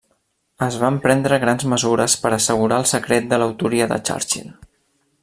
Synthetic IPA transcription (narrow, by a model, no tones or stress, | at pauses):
əzβampɾɛnd̪ɾəɣɾanzməzuɾəspəɾəsəɣ̞uɾaəlˠsəkɾet̪̚d̪ələwt̪uɾiəðə̰t͡ʃa̰ɾt͡ʃḭn